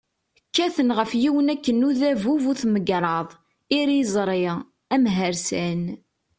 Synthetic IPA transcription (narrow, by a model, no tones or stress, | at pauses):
kːæθənʁəfjiwənækːənːuðævuvuθməɡɾˤɑðˤ | iɾizˤɾˤiʁ | æmɦəɾsæn